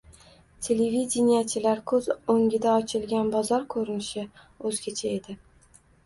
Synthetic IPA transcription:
t̪ʲʰe̞levid̪ʲenʲijat͡ʃʰɪlaɾkʰɵzoŋʲɪd̪aɒt͡ʃʰɪlɡʲanbɒzɒɾkʰɵɾɪnɪʃɪ | ɵzɡʲat͡ʃʰae̞d̪ɪ

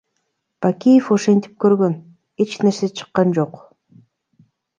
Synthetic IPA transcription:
b̥akʲijefo̞ʃe̞nt̪i̥p̚køɾɡø̞n | e̞t͡ʃne̞ɾse̞t͡ʃʰɯ̥qːɑnd͡ʒo̞q

